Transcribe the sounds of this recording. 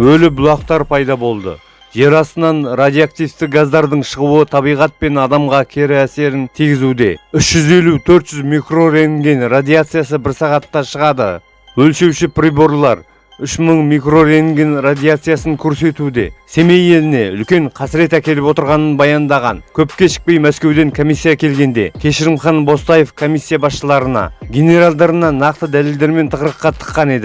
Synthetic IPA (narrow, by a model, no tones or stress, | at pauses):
wɵlɪbʊlˠɑqt̪ɑɾpʰɑjd̪ɑbo̞lˠd̪ə̰ | ʒe̞ɾɑst̪ənɑnrad̪ijak̚t̪ijst̪ɪk̚ɡazd̪ɑɾd̪əɴʃəʁuwət̪ʰɑβijʁɑt̪̚pe̞nɑd̪ɑmʁɑkʲʰe̞ɾɪæse̞ɾɪnt̪ʰiɡʲɪzud̪e̞ʏʃʒ̥ʏze̞lut̪ʰɵɾt̪ʒ̥ʏzmijkro̞ɾeŋɡʲenrad̪ijat̪sɨjasəbɪɾsɑʁɑt̪ːɑʃəʁɑd̪ə̰ | wɵlʃe̞wʃɪpʰribo̞ɾlˠɑɾ | ʏʃməɴmijkro̞ɾeŋɡʲenrad̪ʲijat̪sɨjasəŋkʲʰɵɾse̞t̪ud̪e̞̰se̞me̞je̞lɪne̞ʏ̰lkʲe̞ɴqʰɑsɪɾe̞t̪ækʲe̞lɪpwo̞t̪əɾʁɑnənbɑjɑnd̪ɑʁɑ̰nkʲʰɵp̚kʲe̞ʃɪ̥k̚pe̞jmæskʲe̞wd̪e̞ŋkʰo̞misːijakʲʰe̞lɡʲe̞nd̪e̞̰kʲʰe̞ʃɪɾɪmχɑnbo̞st̪ɑjefkʰo̞misʲːijabɑsʃəlˠɑɾənɑ̰ɡʲe̞ne̞ɾalˠd̪ɑɾənɑnɑqt̪əd̪æle̞ld̪e̞ɾme̞nt̪ʰəqɾəqːɑt̪ʰə̥qːɑne̞d̪ɪ